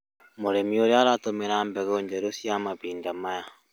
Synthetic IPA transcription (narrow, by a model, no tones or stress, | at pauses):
moɾemioɾeaɾatomeɾaːmbɛɣoːɲd͡ʒɛɾosjamaβiːndamaja